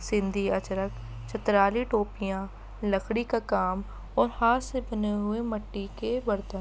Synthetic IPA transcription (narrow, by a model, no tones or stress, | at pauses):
sɪ̃nd̪ʱiɐt͡ʃəɾək | t͡ʃʰɐt̪ɾaːliʈoːpijã | lɐkʰɽikakaːm | ɔːɾhaːtsebɐneɦʊemɐʈːikebɐɾt̪ə̃